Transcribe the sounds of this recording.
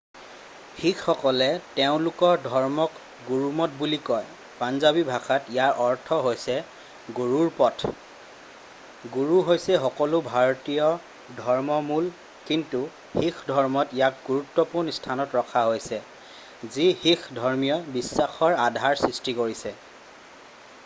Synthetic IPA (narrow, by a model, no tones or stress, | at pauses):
xikʰːɔkɔlɛteʊ̃lʊkɔɹdʱɔɹmɔk | ɡuɹumɔtbulikɔj | panzabibʱakatijaɹʔɔɹtʰɔɦojsɛ | ɡuɹuɹpɔtʰ | ɡuɹuɦojsɛxɔkɔlʊbʱaɹɔtijɔ | dʱɔɹmɔmul | kintu | xikʰdʱɔɹmɔtijak̚ɡuɹutːɔpuɹnstʰanɔtɹɔkʰaɦojsɛ | zihikʰdʱɔɹmijɔbisːaxɔɹadʱaɹsɹistikoɹisɛ